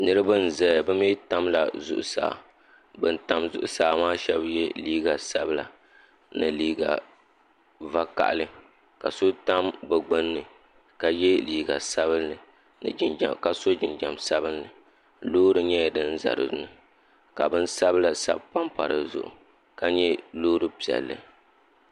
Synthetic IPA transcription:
nɨ˦ɾɨ˦bɨ˦n̩˨zɛ˨bɛ˦mi˦ta˦mla̰˨zʊ̰˨ʔʊ̰˨sa̰ː˨ | bɨ˦n̩˦ta˦mzʊ̰˦ʔʊ˦saː˨maː˦ʃɛ˦bjɛ˦liː˦ɡa˨sa˦bɨ˦la̰˨ | nɨ˨liː˦ɡa̰˨ | va˦ka̰˨ʔa˨lɨ˦ | ka̰˨so˦ta˦mbɛ˨ɡ͡bɨ˦nːɨ˨ | ka˨jɛ˦liː˦ɡa̰˨sa˦βɨ˦nːɨ˨ | nɨ̰˨d͡ʒɪ˦n˨ka˨so˦d͡ʒɪ˨nd͡ʒa˨msa˦bɨ˦nːɨ˨ | loː˦ɾɨ˦ɲɛ˦˨dɨ˦n˦za̰˨ɾɨ̰˨˦nɨ˨ | ka˨bɨ˦n̩˦sa˦bla˨sa̰˦b̚pa˦mpa˨ɾɨ˨zʊ̰˨ʔʊ̰˨ | ka˦ɲɛ˦lo˦ɾɨ˦pi˨ɛ̰˨lːɨ̰˨

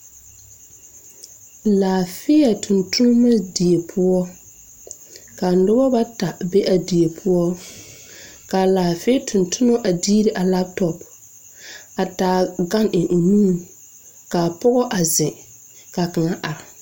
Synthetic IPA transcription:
laː˨fɪ˦ja˨tʰʊ˨ntʊ˦n˦ma˦di˨e˨pʰʊ˦ɔ˦ | ka˨nʊ˦bɔ˦ba˦ta˨be˦ʔa˨di˨je˨pʰʊ˦ɔ˦ | ka˨laː˨fɪ˦tʰʊ˨ntʊ˦nɔ˦ʔa˨diː˦ɾi˦ʔa˨la˦b̚tɔ˨p | a˨taː˨ɡa˦nɪ˨ʔu˨nuː˦˨n | ka˨pɔ˦ɣɔ˦ʔa˨zɪ˨ | ka˨ka˨ŋa˦ʔa˨ɾɪ˨

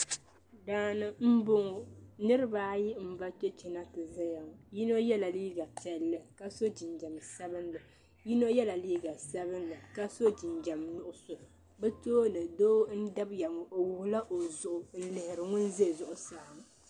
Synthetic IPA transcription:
daː˦nɨ˦m̩˦bo˦ŋo˨nɨ˦ɾɨ˦baː˦ji˦m̩˦va˦t͡ʃɛ˦t͡ʃɛ˨na˦tɨ˨za˦ja˨ŋ˨ji˦no˦jɛ˦la˨liː˦ɡa˨pɛ˦lːɨ˦ka˦so˦d͡ʒɪ˨nd͡ʒa˨msa˦bɨ˦nlɨ˨ | ji˦no˦jɛ˦la˨liː˦ɡa˨sa˦βɨ˦nlɨ˨ka˦so˦d͡ʒɪ˨nd͡ʒa˨mnʊ˦ʔʊ˦so˨ | bɛ˦toː˦nɨ˨doː˦n̩˦da˦bja˨ŋo˨ʔo˨wʊ˨hʊ˨la˦ʔo˨zʊ˨ʔʊ˨n̩˦lɪ˨hɪ˨ɾɨ˨ŋʊ˦n˦ze˦˨zʊ˨ʔʊ˨sa˦˨m˨

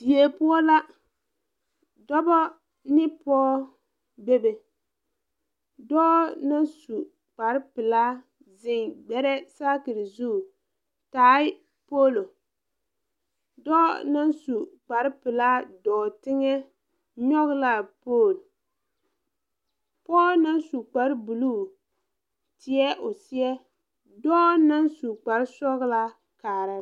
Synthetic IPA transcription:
di˨je˨pʊ˦ɔ˦la˦ | dɔ˦bɔ˦ | nɪ˦pɔː˦ | be˦be˨ | dɔː˦na˦nsu˨ | k͡pa˨ɾɪ˦pɪ˨la˦ | zɪ˨ŋɡ͡bɛ˦ɾɛ˦saː˦kɪ˨ɾɪ˨zu˦˨ | taː˨˦ɪ˦ | poː˦lo˨ | dɔː˦na˦nsu˨k͡pa˨ɾɪ˦pɪ˨la˦dɔː˨tɪ˦ŋɛ˦ | ɲɔ˦ɣla˦poː˦˨l | pɔ˦na˦nsu˨k͡pa˨ɾbu˨luː˦˨ | tɪ˨˦ɛ˦ʔʊ˨si˦ɛ˦ | dɔː˦na˦nsu˨k͡pa˨ɾɪ˦sɔ˦ɣla˦ | kaː˨ɾa˦

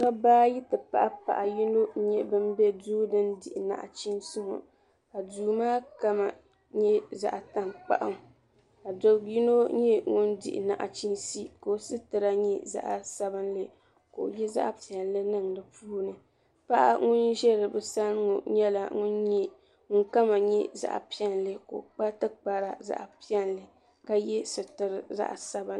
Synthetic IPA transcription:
ka˦baː˦ji˦tɨ˨pa̰˨ʔa˦pa̰˨ʔa˨ji˦no˦ɲɛ˦bɨ˦n˦bɛ˦duː˦dɨ˦ndɪ˨ʔɪ˨na̰˨ʔa̰˨t͡ʃi˦nsʊ˦ŋʊ̰˨ | ka˨duː˨maː˦ka˦ma˨ | ɲɛ˦za̰˦ʔa˨ta˦ŋk͡pa̰˦ʔa̰˦ŋ˨ | ka˨do˨ji˦no˦ɲɛ˦ŋʊ˦ndɪ̰˨ʔɪ̰˨na˨ʔa̰˨t͡ʃi˦nsi˦ko˨sɨ˦tɨ˨ɾa˦ɲɛ˦za̰˦ʔa˨sa˦bɨ˦nlɨ˦ | ko̰˨jɛ˦za̰˦ʔpi˨ɛ˨nlɨ˦nɨ˦ŋ˨dɨ˨puː˦nɨ˨ | pa˦ʔa̰˦ŋʊ˦nʒɛ˦lɨ˨bɨ˦sa˦lŋo̰˨ɲɛ˦la̰˨ŋʊ˦nɲɛ˦ | ŋʊ˦ŋka˦ma˨ɲɛ˦za̰˦ʔa̰˨pi˦ɛ˦nlɨ˦ko̰˨ʔk͡pa˦tɨ˦k͡pa˨ɾa˨za̰˦ʔpi˦ɛ˦nlɨ˨ | ka˦jɛ˦sɨ˨tɨ˨ɾɨ˦za̰˦ʔsa˦bɨ˦n

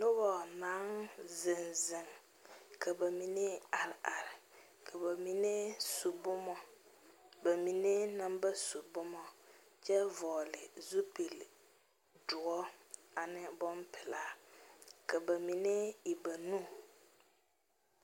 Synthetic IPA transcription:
nʊ˦bɔ˨naː˨˦ŋzɪ˨nzɪ˨ŋ | kʰa˨ba˨mi˨ne˦a˨ɾɪ˨ʔa˨ɾɪ˨ | kʰa˨ba˨mi˨ne˦su˨bʊ˦mɔ˦ | ba˨mi˨ne˦na˦mba˦su˨bʊ˦mɔ˦ | t͡ʃɛ˦vɔː˨lɪ˨zu˦pi˨l | dʊ˨ɔ˦a˨nɪ˦bɔ˦mpɪ˨la˨˦ | ka˨ba˨mi˨ne˦i˨ba˨nu˦

